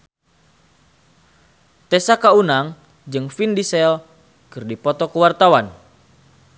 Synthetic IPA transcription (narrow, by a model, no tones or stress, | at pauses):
t̪ɛsakaunaŋ | d͡ʒɨŋfindisɛl | kɨrdipɔt̪ɔkəwart̪awan